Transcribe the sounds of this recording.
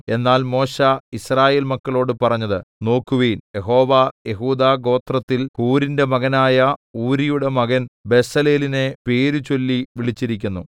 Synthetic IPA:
e̞nːaːlmo̞ːɕaisraːje̞ːlmɐkːɐɭo̞ːɽɨpɐrɐɲːɐðɨno̞ːkːuʋiːnjeɦo̞ːʋaːje̞ɦuːd̪aːɡo̞ːt̪rɐt̪ːilkuːɾinde̞mɐɣɐnaːjɐuːɾijuɽe̞mɐɣɐnbe̞sɐle̞ːline̞pe̞ːɾut͡ɕo̞lːiʋiɭit͡ɕːiɾikʲːunːṵ

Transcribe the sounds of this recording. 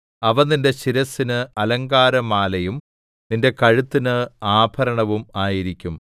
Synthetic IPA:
ɐʋɐnninde̞ɕiɾɐsːinɨɐlɐŋɡaːɾɐmaːlɐjum | ninde̞kɐɻut̪ːinɨaːbʰʱɐɾɐɳɐʋumaːjiɾikʲːum

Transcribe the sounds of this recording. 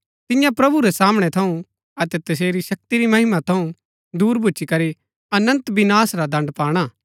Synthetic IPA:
t̪ɪjãpɾɐbuɾɛsaːmɽ̃ɛt̪ʰɐũ | ɐt̪ɛt̪ɐs̬eːɾiʃɐk̚t̪iɾimɐɦɪmat̪ʰɐũ | d̪uːɾbʱut͡ʃikɐɾi | ɐnə̃nt̪bɪnaːsɾad̪ɐ̃ɳɖpaːɽ̃aː

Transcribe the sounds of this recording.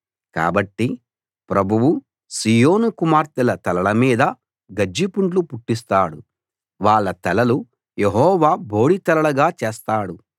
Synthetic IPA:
ka̰ːbɐʈːi | pɾɐbʱuʋu | siːjo̞ːnukumaːɾt̪ilɐt̪ɐlɐlɐmiːd̪ɐ | ɡɐd͡ʒːipuɳʈlupuʈːist̪aːɽu | ʋaːɭːɐt̪ɐlɐlu | jeɦɔːʋaːbo̞ːɽit̪ɐlɐɭɐɡaːt͡ʃeːst̪aːɽu

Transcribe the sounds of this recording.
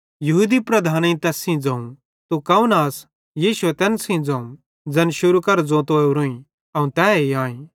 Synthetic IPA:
jɐɦuːd̪ipɾɐd̪ʱaːnẽĩt̪ɛːsĩd͡zɐ̃ːũ | t̪ukɐũnaːs | jiːʃuɛt̪ɛːnsĩd͡zɐ̃ũ | d͡zɐnʃʊɾukɐɾd͡zõːt̪oːuɾõĩ | ɐũt̪ɛːeãːĩ

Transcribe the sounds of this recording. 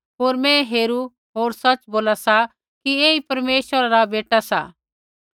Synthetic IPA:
ɦoːɾmɛ̃ɦeːɾu | ɦoːɾsɐt͡ʃboːlasa | kieːipɐɾmeːʃʋəɾaɾabeːʈasa̰ː

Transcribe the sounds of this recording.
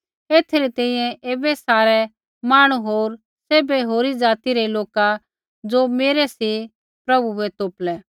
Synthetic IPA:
eːt̪ʰeɾit̪ɛ̃ːĩjɛ̃ʔeːbɛsaːɾɛ | maːɽ̃uɦoːɾ | seːbɛɦoːɾid͡zaːt̪iɾɛloːka | d͡zoːmeːɾɛsi | pɾɐbuɛt̪oːplɛː

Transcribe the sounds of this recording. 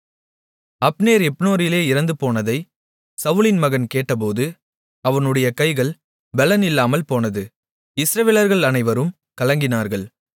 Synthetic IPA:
ɐpneːɾɛpnoːɾɪleːɪɾɐnd̪ɯpoːnɐðɐɪ | sɐʋɯlɪnmɐɣɐnkeːʈːɐp̬oːðɯ | ɐʋɐnɯɽɐjɐkɐɪɣɐɭ | bɛlɐnɪlːaːmɐlpoːnɐðɯ | ɪsɾɐʋeːlɐɾɣɐɭɐnɐɪʋɐɾɯm | kɐlɐŋɡɪnaːɾɣɐɭ

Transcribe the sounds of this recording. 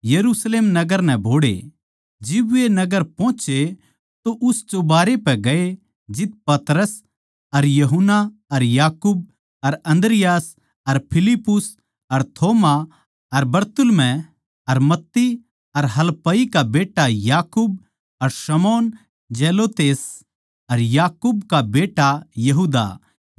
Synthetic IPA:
jɐɾusleːmnɐɡəɾnɛ̃bʱoːɽḛ | d͡ʒɪbʊenɐɡəɾpõːt͡ʃe | t̪oʔʊst͡ʃobaːɾepɛɡɐe | d͡ʒɪt̪̚pɐt̪ɾəs | ɐɾjɐɦʊnːaɐɾjaːkuːb̚ | ɐɾɐ̃nd̪ɾɪjaːs | ɐɾpʰɪlɪpːʊs | ɐɾt̪ʰoːma | ɐɾbɐɾt̪ʊlmɛ̃ | ɐɾmɐt̪ːi | ɐɾɦɐlpɐikabeːʈajaːkuːb̚ | ɐɾsɐmoːn | d͡ʒeːloːt̪eːs | ɐɾjaːkubkabeːʈajɐɦuːd̪a̰

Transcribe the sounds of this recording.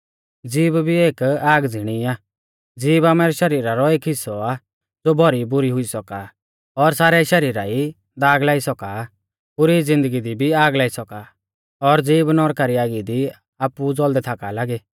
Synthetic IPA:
d͡ziːbbʱieːkaːɡd͡zʱɪɽ̃iaː | d͡ziːbaːmɛɾɛʃɐɾiːɾaɾɔeːkʰɪsɔa | d͡zoːbʱɔɾibʊɾiɦʊisɔka | ɔɾsaːɾɛʃɐɾiːɾaːi | d̪aːɡlaːisɔka | pʊɾid͡zɪ̃nd̪əɡid̪ibʱiaːɡlaːisɔka | ɔɾd͡ziːbnɔɾkaɾiaːɡid̪i | aːpud͡zɔld̪ɛt̪ʰaːkalaːɡeː

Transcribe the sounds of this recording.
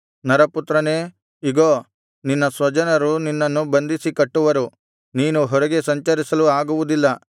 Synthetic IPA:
nɐɾɐput̪ɾɐne̞ː | iɡoː | ninːɐsʋɐd͡ʒɐnɐɾuninːɐnːubɐnd̪isikɐʈːuʋɐɾu | niːnuɦɔɾɛɡe̞sɐɲt͡ʃɐɾisɐluaːɡuʋud̪ilːɐ

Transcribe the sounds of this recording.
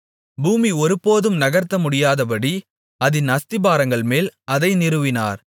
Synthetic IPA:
buːmiɔɾɯpːoːðɯmnɐɣɐɾt̪ːɐmʊɽɪjaːðɐpɐɽi | ɐðɪnɐst̪ɪbaːɾɐŋɡɐɭmeːlɐðɐɪnɪɾɯʋɪna̰ːɾ

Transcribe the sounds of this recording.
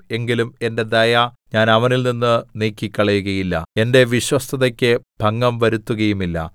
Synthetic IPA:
e̞ŋɡilume̞nde̞d̪ɐjɐɲaːnɐʋɐnilninːɨneːkːikʲːɐɭɐjuɣɐjilːɐ̰e̞nde̞ʋiɕwɐst̪ʰɐðɐkʲːɨbʱɐŋːɐmʋɐɾut̪ːuɣɐjumilːɐ̰

